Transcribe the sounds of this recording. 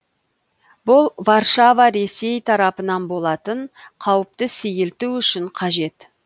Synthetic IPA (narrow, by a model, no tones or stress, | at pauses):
bʊlˠvɑrʃavɑɾe̞se̞jt̪ʰɑɾɑpənɑnbo̞lˠɑt̪əɴqʰɑwəp̚t̪əsejɪlt̪uwʏʃɪɴqʰɑʒe̞t̪